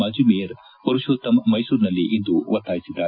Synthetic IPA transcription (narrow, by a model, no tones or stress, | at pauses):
ad͡ʒumiːɾ | pɐɾuʃot̪ɐmmɐjsuːɾnɐlːiʔind̪uʋɐt̪ːaːjisid̪ːaː